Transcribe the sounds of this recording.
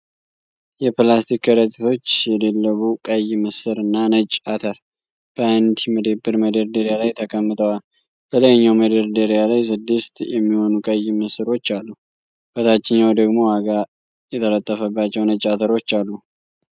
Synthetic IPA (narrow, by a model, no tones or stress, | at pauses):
jɛplast̪ʰikːəɾət̪ʼit̪ʰo̞t͡ʃːjɛd̪elːəβukʼəjməsɨɾɨnːanət͡ʃʼat̪ʰəɾ | b̥əand̪iməd̪əbːɨɾməd̪əɾd̪əɾijalajt̪ʰəkʰʼəmːɨt̪ʰʼəwal | bələjɲːawməd̪əɾd̪əɾijalajsɨd̪ːɨst̪jɛmːiho̞nukʼəjməsɨɾo̞t͡ʃːalːu | b̥ət̪ʰat͡ʃːɪɲːawd̪əɡmo̞aɡa | jɛt̪ʰələt̪ʼːəfəbːat͡ʃːɛwnət͡ʃʼːat̪ʰəɾo̞t͡ʃːalːu